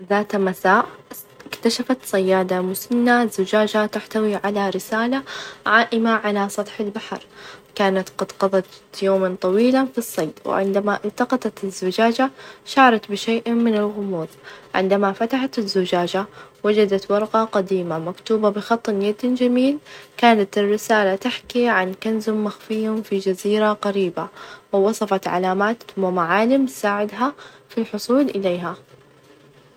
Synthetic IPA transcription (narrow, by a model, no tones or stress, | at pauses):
ðaːt̪masaːʔ | ɪkt̪aʃafat̪sˤɑjːaːd̪amʊsanːazːʊd͡ʒaːd͡ʒat̪aħt̪awiʕalaɾɪsaːlaʕaːʔɪmaʕalasˤɑt̪ˤħɪlbaħɑ̰ɾˤkaːnat̪qɑd̪qɑðˤɑt̪joːmant̪ˤɑwiːlafisˤːɑːd̪wɪ̰ʕɪ̰nd̪amaʔɪlt̪ɑqɑt̪ɑt̪ɪzːʊd͡ʒaːd͡ʒaʃaʕɾˤɑt̪bɪʃeːʔmɪnɪlɣʊmuːðˤʕɪ̰nd̪amafat̪aħat̪ɪzːʊd͡ʒaːd͡ʒawad͡ʒad̪at̪wɑɾˤqɑqɑd̪iːmamakt̪uːbabɪxɑt̪ˤːnjad̪d͡ʒamiːlkaːnat̪ɪrːɪsaːlat̪aħkiʕankanzʊmːaxfɪjʊmfid͡ʒaziːɾaqaɾiːbawɪwɑsˤɑfɑt̪ʕa̰laːmaːt̪mɪmaʕaːlɪmsaːʕɪd̪ɦafilħʊsˤuːlʔɪleːɦa